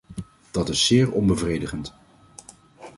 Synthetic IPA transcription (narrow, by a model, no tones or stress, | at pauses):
d̥ɑtɪsːɪːɹɔnbəvrejdəχənt